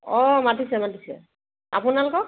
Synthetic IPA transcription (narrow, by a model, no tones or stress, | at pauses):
ɔmatisɛmatisɛ̰ | a̰pʊnalʊkɔk